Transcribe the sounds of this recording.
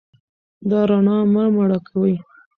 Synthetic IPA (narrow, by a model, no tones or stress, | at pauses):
d̪ɑɾɑnɑmamaɽɑkʰawəj